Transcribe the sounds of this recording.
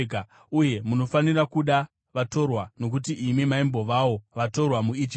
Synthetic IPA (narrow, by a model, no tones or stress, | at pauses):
ka | uje̞muno̞fanirakuɗa | ʋato̞rwano̞k̬utiʔimimaimbo̞ʋawo̞ʋato̞rwamuid͡ʒi